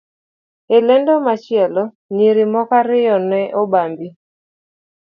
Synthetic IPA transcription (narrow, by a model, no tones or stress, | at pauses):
elɛndomat͡ʃjɛlɔ | niɾimɔkaɾɪjɔnɛʔobambi